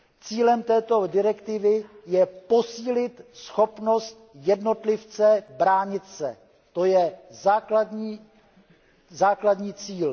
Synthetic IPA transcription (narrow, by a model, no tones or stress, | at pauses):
t͡siːlɛmt̪ɛːt̪o̞dɪɾɛkt̪ɪvɪjɛpo̞siːlɪt̪sxo̞pno̞st̪jɛdno̞t̪lɪft͡sɛbɾaːɲɪt̪sɛ̰ | t̪o̞jɛzaːkladɲiː | zaːkladɲiːt͡siːl